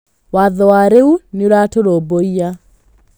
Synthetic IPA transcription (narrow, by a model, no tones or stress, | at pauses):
waðɔwaɾeuneoɾatoɾoboia